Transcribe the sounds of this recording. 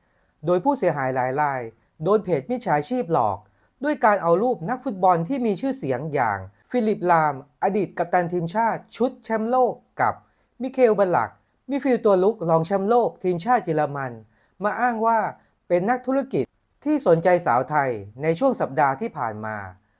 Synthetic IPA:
doː˧jpʰuː˥˩si˩˦ɦaː˩˦jlaː˩˦jɾaː˧j | doː˧npʰeː˨˩t̪̚mi˦˥t͡ɕʰaː˩˦t͡ɕʰiː˥˩p̚lɔ̰ː˨˩k̚ | du˥˩əjkaː˧nʔa˧wɾuː˥˩p̚na˦˥k̚fu˦˥t̪̚bɔ˧nt̪ʰiː˥˩miː˧t͡ɕʰɯː˥˩si˩˦əŋja̰ː˨˩ŋfiː˧li˨˩p̚laː˧mʔa˧diː˨˩t̪̚ka˨˩p̚t̪aː˧nt̪ʰiː˧mt͡ɕʰaː˥˩t̪̚t͡ɕʰu˦˥t̪̚t͡ɕʰɛ˦˥mloː˥˩kːa̰˨˩p̚ | mi˦˧˥kʰeː˧wbɔ˧nla̰˨˩k̚ | mi˦˧˩fiː˧wt̪u˧ɐlu˦˥k̚lɔː˧ŋt͡ɕʰɛ˦˥mloː˥˩k̚t̪ʰiː˧mt͡ɕʰaː˥˩t̪̚jiː˧la˧ma˧n | maː˧ʔaː˥˩ŋwaː˥˩ | pe˧nːa˦˥k̚t̪ʰu˦˥ɾa˥˩ki˨˩t̪ʰːiː˥˩so˩˦nt͡ɕa˧jsa̰ː˩˦wt̪ʰa˧jna˧jt͡ɕʰu˥˩əŋsa˨˩p̚daː˧t̪ʰiː˥˩pʰa̰ː˨˩nma̰ː˧

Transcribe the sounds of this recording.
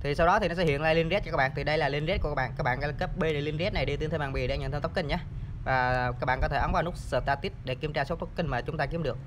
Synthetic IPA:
t̪ʰi˨˩sa˧wɗɔ˨˦t̪i˨˩nɔ˨˦sɛ˧hḭ˧˨ənlaː˧jli˧nz̚t͡ɕɔ˧kaː˦˥ɓ̰aː˧˨nt̪ʰi˨˩ɗə˧jlaː˨˩li˧nzt̚kkːaː˦˥ɓa̰ː˧˨kaː˦˥k̚ɓaː˧˨ʔa˧˦˧ke˦˥p̚ɓe˧le˧˩li˧nzt̚na˨˩jɗi˧t̪i˨˦ət̪ʰmaː˨˩ɓḭ˧˨˩ɗɲə˧˨nt̪ʰt̪ki˧ŋ̟ɲaː˧˦vaː˨˩ka˦˥k̚ɓa̰ː˧˨kɔ˨˦t̪ʰe˧˩ʔə˨˦nvaː˨˩nu˦˥k̚səː˧˩t̪aː˧t̪i˦˥t̚ɗe˧˩ki˧əmt͡ɕaː˧˩so˦˥t̚t̪ə˦˥k͡p̚ki˧ŋ̟maː˨˩t͡ɕʊ˨˦ŋ͡mt̪aː˧ki˨˦əmɗɨ˨˩ək̚

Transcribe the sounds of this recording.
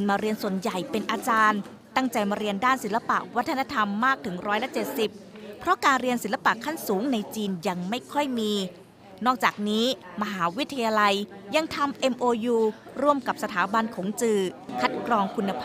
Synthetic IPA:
nmaː˧ɾi˧ənsu˨˩ənja˨˩jpe˧nʔaː˧t͡ɕaː˧n | t̪a˥˩ŋt͡ɕa˧jmaː˧ɾi˧əndaː˥˩nsi˩˦nla˧pa̰˨˩ʔwa˦˥t̪ʰːa˧na˦˧˥t̪ʰa˧mːaː˥˩k̚t̪ʰɯ˩˦ŋɾɔː˦˥jla˧˥t͡ɕe˨˩t̪̚si˨˩p̚ʰ | ɾɔ˦˥kaː˧nɾi˧ənsi˨˩˦nla˧pa˨˩ʔkʰːa˥˩nsuː˩˦ŋna˧jt͡ɕiː˧nja˧ŋma˥˩jkʰɔ˥˩jmiː˧ | nɔː˥˩k̚t͡ɕaː˨˩k̚niː˦˥ma˧ɦaː˩˦wi˦˥t̪ʰːa˧jaː˧la˧jja˧ŋt̪ʰa˧mʔe˧mʔoː˧juː˧ | ɾu˧˥˩əmka˨˩p̚sa˧t̪ʰaː˩˦ba˧nkʰɔː˩˦ŋt͡ɕɯː˧˩kʰa˦˥t̪̚kʰɾɔː˧ŋkʰu˧nːa˧pʰː

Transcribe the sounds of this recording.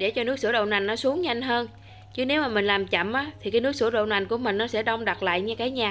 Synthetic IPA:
ɗe˧˩t͡ɕɔ˧nɨ˦˥ək̚sɨ˧ə˦ɗo̰˧˨wna˨˩jŋ̟nɔ˨˦su˨˦əŋɲa˧jŋ̟ɦəː˧n | t͡ɕɨ˨˦˥ne˨˦wmaː˨˩mï˨˩ŋ̟laː˨˩mt͡ɕə̰˧˨mʔaː˨˦t̪ʰi˨˩kaː˨˦nɨ˦˥k̚sɨ˧˩əɗo̰˧˨wna˨˩jŋ̟ku˧˩əmï˨˩ŋ̟nɔ˨˦sɛ̰˧˥ɗə˧wŋ͡mɗa˨˩t̚la̰ː˧˨jɲa˧kaː˨˦jɲaː˨˩

